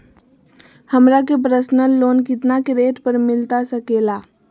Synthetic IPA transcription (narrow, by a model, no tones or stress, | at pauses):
həmɾak̬ep̬ɾəsnəlːoːnkɪt̪nakeɾeːʈpəɾmɪlt̪asəkeːlaː